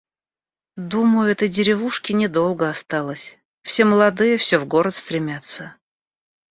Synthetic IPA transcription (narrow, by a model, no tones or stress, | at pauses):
d̪uməjʊɛt̪əjdʲɪɾʲɪvuʂkʲɪnʲɪd̪o̞lˠɡəɐst̪ɑlˠəsʲ | fsʲe̞məlˠɐd̪ɨjəfsʲɵvɡo̞ɾət̪st̪ɾʲɪmʲat̪sə